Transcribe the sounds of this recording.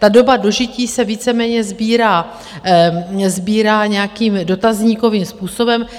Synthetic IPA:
t̪ado̞bado̞ʒɪciːsɛviːt͡sɛmɛːɲɛzbiːɾaː | zbiːɾaːɲɛjakiːmdo̞t̪azɲiːko̞viːmspuːso̞bɛm

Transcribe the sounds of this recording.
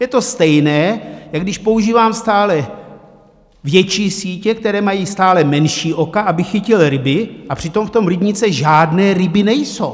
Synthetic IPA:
jɛt̪o̞st̪ɛjnɛːjaɡdɪʃpo̞uʒiːvaːmst̪aːlɛ | vjɛt͡ʃiːsiːcɛkt̪ɛɾɛːmajiːst̪aːlɛmɛnʃiːʔo̞kaʔabɪxɪcɪlɾɪbɪʔapr̝̥ɪt̪o̞mft̪o̞mɾɪbɲɪt͡sɛʒaːdnɛːɾɪbɪnɛjso̞̰w

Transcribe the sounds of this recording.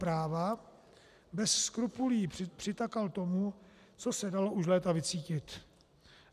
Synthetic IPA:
pɾaːva | bɛsskɾupuliːpr̥ɪt̪akalt̪o̞mu | t͡sosɛdalouʃ̬lɛːt̪avɪt͡siːcɪt̪

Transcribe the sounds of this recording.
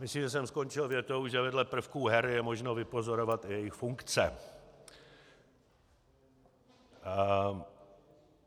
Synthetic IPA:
mɪsliːmʒɛs̬ɛmskont͡ʃɪlvjɛt̪o̞wʒɛvɛdlɛpr̩fkuɦɛɾjɛmo̞ʒnovɪpo̞zo̞ɾovat̪ɪjɛjɪxfuŋkt͡sɛ

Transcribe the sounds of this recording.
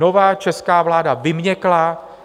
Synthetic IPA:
o̞vaːt͡ʃɛskaːvlaːdavɪmɲɛkla

